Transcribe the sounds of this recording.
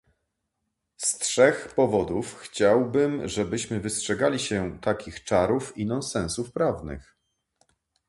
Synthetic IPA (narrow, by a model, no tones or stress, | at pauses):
stʂɛxpɔvɔd̪ufxt͡ɕawbɘmʐɛbɘɕmɘvɘstʂɛɡalʲiɕɛt̪akʲixt͡ʂaɾufinɔnsɛ̃ñsufpɾavnɘ̰x